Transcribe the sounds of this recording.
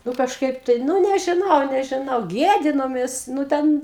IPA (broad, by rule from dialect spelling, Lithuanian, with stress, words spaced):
ˈnʊ kɐʃˈkɐɪp tɐɪ ˈnʊ nʲɛʒʲɪˈnɐʊ nʲɛʒʲɪˈnɐʊ ˈɡʲiɛdʲɪnoːmʲeːs nʊ ˈtʲɛn